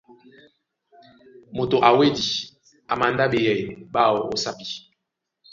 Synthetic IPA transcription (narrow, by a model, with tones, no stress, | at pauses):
mo˨to˨ʔa˨we˦di˨ | a˨ma˨nda˦be˨jɛ˨ɓa˦˨wo˨o˨sa˦pi˨